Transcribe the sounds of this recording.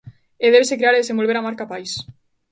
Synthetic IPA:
eðeβesekɾeaɾeðesembolβeɾamaɾkapajs

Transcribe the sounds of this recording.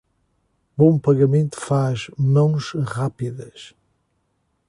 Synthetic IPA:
bõpɐɣɐmẽnt̪u̥faʒmɐ̃w̃ʃʁapiðɐʃ

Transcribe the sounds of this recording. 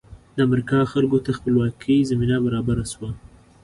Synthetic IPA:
d̪əamɾikɑxalɡot̪axpəlwɑkʰəjzaminabaɾɑbaɾaswa

